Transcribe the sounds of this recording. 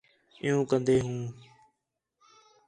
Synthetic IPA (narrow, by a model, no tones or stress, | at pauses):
ɪ̰jõːkənd̪eːɦũː